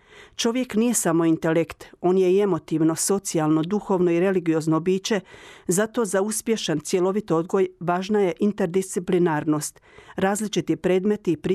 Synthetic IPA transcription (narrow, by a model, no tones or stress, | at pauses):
t͡ʃo̞ʋje̞knije̞samo̞int̪e̞lekt̪o̞ːnje̞ie̞mo̞t̪iʋno̞so̞t̪sialˠno̞d̪uxo̞ʋno̞iɾe̞liɡijo̞znobiːt͡ɕe̞zat̪o̞ːzauspje̞ʃant̪sje̞lo̞ʋit̪ood̪ɡo̞jʋaːʒnaje̞ʔint̪e̞ɾd̪ist̪siplinaːɾno̞ːst̪ | ɾaːzlit͡ʃit̪ipɾe̞ːd̪me̞t̪ipɾi